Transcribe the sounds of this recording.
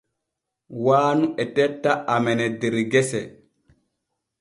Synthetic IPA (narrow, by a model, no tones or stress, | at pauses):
waːnuʔɛtɛtːaʔamɛnɛdeɾiɡɛsɛ